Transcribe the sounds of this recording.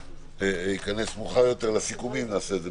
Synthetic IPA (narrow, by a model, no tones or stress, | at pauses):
eikane̞smuχajo̞t̪eʁlasikumimnaːseːd̪ze